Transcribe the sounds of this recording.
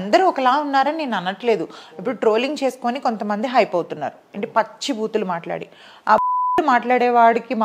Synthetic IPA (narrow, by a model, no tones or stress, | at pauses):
nd̪ɐɾiɔkɐlaːunːaːɾɐnne̞ːnɐnːɐʈle̞ːd̪uɐpːuɽuʈɾo̞ːliŋɡt͡ʃe̞ːsu̥ko̞ːniko̞nt̪ɐmɐnd̪iɦɐjpɐwt̪unːa̰ːɾuɐɳʈepɐt͡ʃːibʱuːt̪ulumaːʈla̰ːɽi | aːumaːʈlaːɽɛːʋaːɽikim